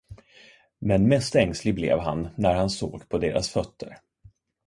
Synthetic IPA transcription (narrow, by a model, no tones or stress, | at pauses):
mɛnmɛst̪ɛŋslɪblɛ̰ːvɦa̰nːæɾhanso̰ːɡpʰɔd̪eːɾʔa̰sfœt̪ʰːəɾ